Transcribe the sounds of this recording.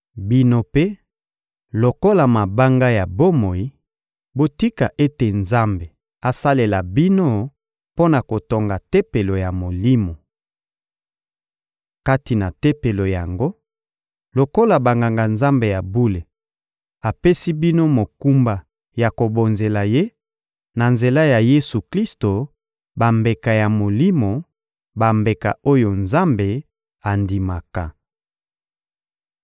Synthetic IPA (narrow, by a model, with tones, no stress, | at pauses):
bi˦no˦pe˦ | lo˨ko˦la˨ma˨ba˦ŋɡa˦ja˨bo˦mo˨i˦ | bo˦ti˦ka˨ʔe˦te˨nza˦mbe˨ | a˨sa˦le˨la˨bi˦no˦ | po˦na˨ko˨to˨ŋɡa˨te˦pe˨lo˨ja˨mo˨li˦mo˨ | ka˦ti˨na˨te˦pe˨lo˨ja˨ŋɡo˦ | lo˨ko˦la˨ba˨ŋɡa˨ŋɡa˨nza˦mbe˨ja˨bu˦le˨ | a˨pe˦si˦bi˦no˦mo˨ku˦mba˨ | ja˨ko˨bo˨nze˨la˨je˦ | na˨nze˨la˦ja˨je˦su˨kli˦sto˨ | ba˨mbe˨ka˨ja˨mo˨li˦mo˨ | ba˨mbe˨ka̰˨ʔo˦jo˨nza˦mbe˨ | a˨ndi˨ma˨ka˨